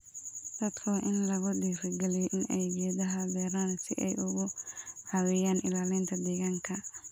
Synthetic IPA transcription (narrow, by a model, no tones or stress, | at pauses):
d̪̥ɐd̪kʰɔʔɪnlɐɣʊdiːrɡɛlɛjɔʔɪnɛjɡɛːðɐɦɐbɛːɾaːnsɪ̰ʔɛ̰jʔʊɣʊʕɑwɛːjaːnʔɪ̰laːlɪnt̪ʰɐd̪ɛːɣaːŋkʰɐ